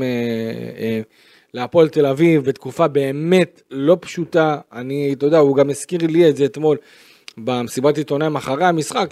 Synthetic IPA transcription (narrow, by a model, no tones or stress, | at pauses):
e | leapo̞lt̪e̞lavivbet̪kufabe̞ːme̞t̪ | lo̞pʃut̪aːnit̪od̪auɡameskiʁlietze̞ːt̪mo̞l | bamesibat̪it̪o̞naimaχaʁejamisχak